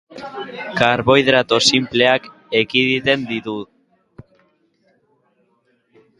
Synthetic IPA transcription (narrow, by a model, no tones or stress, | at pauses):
kaɾβo̞jðɾat̪o̞simpleak | ekiðit̪e̞nd̪it̪u